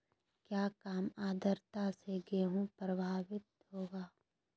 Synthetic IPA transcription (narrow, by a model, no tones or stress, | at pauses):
kjaːkaːmaːd̪əɾt̪aseɡeɦũpɾəbʱaːʋɪt̪̚ɦoːɡaː